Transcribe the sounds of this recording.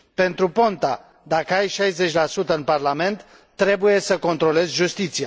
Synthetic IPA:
pe̞nt̪ɾupo̞nt̪a | d̪akəajʃajze̞t͡ʃʲlasut̪əɨnparlame̞nt̪ː | ɾe̞buje̞səko̞nt̪ɾo̞le̞zʲʒust̪it̪sia

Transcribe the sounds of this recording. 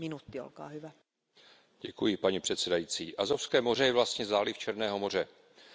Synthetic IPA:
minut̪ːio̰lkɑ̰ːhyʋæ | ɟɛkujɪpaɲɛpr̝̥ɛt̪sɛdajiːt͡siːʔazofskɛːmo̞rɛjɛvlast̪ɲɛzaːlɪft͡ʃɛɾnɛːɦo̞mo̞r̝ɛ

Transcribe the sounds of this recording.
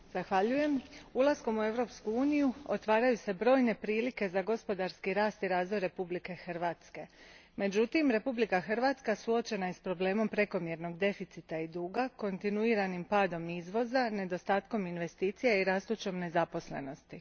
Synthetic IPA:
z̥axʋaʎuje̞mulˠasko̞mue̞ʋɾo̞pskuuːnijuot̪ʋaːɾajuse̞bɾo̞ːjne̞pɾiːlike̞zaɡo̞spo̞d̪aɾskiɾaːst̪iɾaːzʋo̞jɾe̞publike̞xrʋaːt̪ske̞me̞d͡ʑut̪imɾe̞publikaxr̩ʋaːt̪skasuo̞t͡ʃe̞najespɾo̞ble̞ːmo̞mpɾe̞ko̞mje̞ɾno̞ɡd̪e̞fit̪sit̪aid̪uːɡako̞nt̪inuiɾanimpaːd̪o̞mizʋo̞zane̞d̪o̞st̪aːt̪ko̞minʋe̞st̪iːt̪sijeiɾaːst̪ut͡ʃo̞mne̞zapo̞sle̞̰no̞st̪i

